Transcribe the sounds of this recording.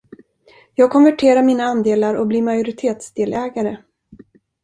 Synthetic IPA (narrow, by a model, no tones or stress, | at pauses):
jɑːɡ̚kʰɔnvæʈʰeːɾaɾmiːnaand̪eːlaɾɔ̰bliːɾmajʊɾɪt̪ʰeːt̪sd̪eːlʔɛːɡaɾə